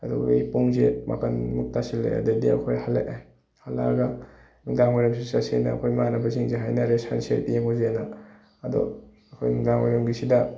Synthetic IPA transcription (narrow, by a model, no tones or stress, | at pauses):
ɐdɔ̰jpuŋzema̰kɐnmuk̚tasilːḛjɐ̰dɐdiɐ̰kʰojhalːḛʔa | hala̰ɡɐ | miŋɡaŋmajɾɐms̬isasḛnɐ̰ɐ̰kʰojmanɐbɐziŋzeɦajnɐɾesansetijeŋozeanɐː | do̰ | ɐkʰojnidaŋmajɾɐmɡisidɐ